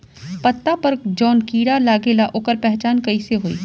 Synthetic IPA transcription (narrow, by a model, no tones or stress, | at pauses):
pɐt̪ːapɐɾd͡ʒɔːnkiːɽalaːɡeːlaʔoːkəɾpɛɦt͡ʃaːnkɐiseɦoḭː